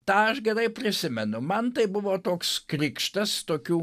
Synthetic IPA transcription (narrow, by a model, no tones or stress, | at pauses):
t̪ɑːɐʃɡʲɛɾɐɪpʲɾʲɪsʲɪmʲɛnʊmɐnt̪ɐɪbʊʋoːt̪oːkskɾʲɪkʃt̪ɐst̪oːkʲuː